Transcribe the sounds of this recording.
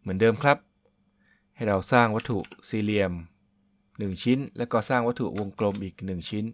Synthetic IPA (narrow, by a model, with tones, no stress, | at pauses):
mɯ˩˦əndɤː˧mkʰla˦˥p̚ | ha˥˩jɾa˧wsaː˥˩ŋwa˦˥t̪ʰːṵ˨˩ʔsiː˧li˧əm | nɯ˨˩ŋt͡ɕʰi˦˥nlɛː˦˥wkɔː˥˩saː˥˩ŋwa˦˥t̪ʰu˨˩ʔwo˧ŋklo˧mʔiː˨˩k̚nɯ˨˩ŋt͡ɕʰi˦˥n